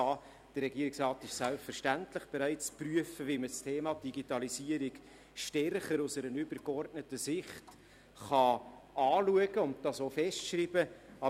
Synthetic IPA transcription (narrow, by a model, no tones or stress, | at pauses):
ɑ | d̥ərrɛɡiəɾɪksrɑːtɪʃsælpfəɾʃtæntlɪχb̥eɾæɪt͡spryəfəʋiməstʰeːmɑd̥iɡitɑlisiəɾik | ʃtɛrχəɾʊsəɾənʏbəɾkɔrdnətəsɪχt | χɑɑːluəɡ̥əʊnt̚dɑsoːfɛstʃɾiːb̥əɑ